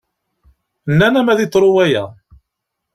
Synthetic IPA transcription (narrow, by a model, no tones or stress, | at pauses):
nːænæmæðit̪ˤːɾˤʊwæjæ̰